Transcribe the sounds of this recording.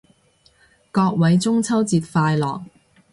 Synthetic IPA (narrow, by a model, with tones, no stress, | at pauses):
kɔː˧k̚wɐ˨˥jt͡sʊ˥ŋt͡sʰɐ˥wt͡siː˧t̚faː˧jlɔ̰ː˨˩k̚